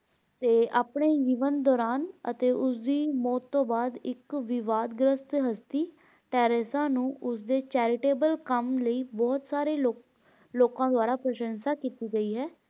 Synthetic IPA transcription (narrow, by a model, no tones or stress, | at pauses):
t̪eːʔaːpɳeːd͡ʒiːʋənd̪ɔːɾaːnə̰t̪eːʔʊsd̪iːmɔːt̪ːõːbaːd̪ɪkʋɪʋaːd̪ɡɾəst̪ɦəst̪iː | ʈɛːɾesãːnũːʔʊsd̪eːt͡ʃɛːɾɪʈeːbəlkəmləiːbɔːt̪saːɾeːlo | loːkãːd̪ʊwaːɾaːpɾəʃə̃nsaːkiːt̪iːɡəiːɦɛː